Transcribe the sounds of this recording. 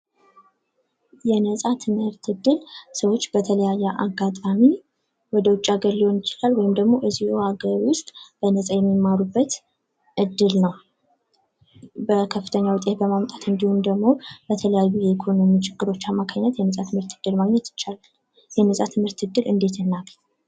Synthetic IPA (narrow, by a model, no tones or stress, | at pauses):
jɛnəsʼat̪ʰɨmhɨɾt̪ʰɨd̪ːɨlsəwo̞t͡ʃːbət̪ʰələjajːɛʔaɡːat̪ʼami | wɔd̪əwʊt͡ʃʼːaɡəɾliho̞njɪt͡ʃɪlalwɔjɪmd̪əɡmo̞ʔɨzihuhaɡəɾwʊst̪ʼb̥ənəsʼajɛmːimaɾubːət̪ | ʔɨd̪ːɨlnəw | bəkʰəfːɨ̥t̪ʰəɲːawt̪ʼehbəmamt̪ʼat̪ɨnd̪ihund̪əɡmo̞b̥ət̪ʰələjajːujɛikʰo̞no̞mit͡ʃʰʼɪɡːɨɾo̞t͡ʃːamːakʰaɲːɛt̪jɛnəsʼat̪ʰɨmhɨɾt̪ɨd̪ːɨlmaɡɲɛt̪jɪt͡ʃːalal | jɛnəsʼat̪ʰɨmhɨɾt̪ɨd̪ːɨlɨnd̪e̞t̪ʰɨnːaɡ